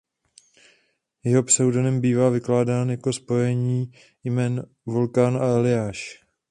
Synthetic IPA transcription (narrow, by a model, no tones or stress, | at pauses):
jɛɦo̞prɛwdonɛmbiːvaːvɪklaːdaːnjako̞spo̞jɛɲiː | jmɛːn | vulkanaɛlɪjaːʃ